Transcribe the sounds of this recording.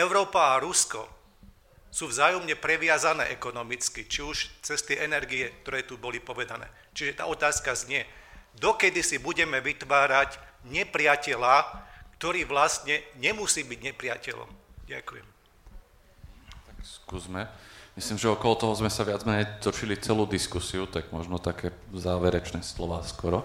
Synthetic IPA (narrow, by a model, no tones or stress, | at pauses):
ɛʊɾɔːpaaɾuskɔ̰ | suːvzaːjɔmɲɛpɾɛʋɪazanɛ̰ːʔɛkɔnɔmit͡skit͡ʃiuʃt͡sɛst̪iʔɛnɛɾɡiɛk̚t̪ɔɾɛːt̪ubɔlipɔʋɛd̪anɛ̰ː | t͡ʃiʒɛt̪a̰ːɔt̪aːskazɲɪɛd̪ɔkɛd̪isibuɟɛmɛʋit̪ʋaːɾacɲɛpɾɪacɛlaːkt̪ɔɾiːʋlast̪ɲɛɲɛmusiːbiɟɲɛpɾɪacɛ̰lɔ̰mɟa̰kujɛ̰m | t̪akskuːzmɛmisliːmʒɛɔkɔlɔt̪ɔɦɔzmɛsaʋɪad͡zmɛɲɛt̪ɔʃilit͡sɛluːd̪iskusiut̪aɡmɔʒnɔt̪akʰɛːzaːʋɛɾɛt͡ʃnɛːslɔʋaːskɔɾɔ